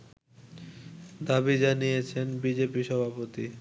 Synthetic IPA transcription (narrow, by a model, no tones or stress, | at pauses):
d̪abid͡ʑanijet͡ɕʰenbid͡ʑepiʃɔbʱapot̪i